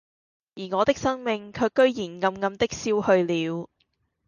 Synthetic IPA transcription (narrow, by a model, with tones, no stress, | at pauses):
jiː˨˩ŋɔː˨˧t̪ɪ˥k̚sɐ˥ŋmɪ˧ŋkʰœː˧kːɵ˥ɥjiː˨˩nŋɐ˧mŋɐ˧mt̪ɪ˥k̚siː˥whɵ˧ɥliː˨˧w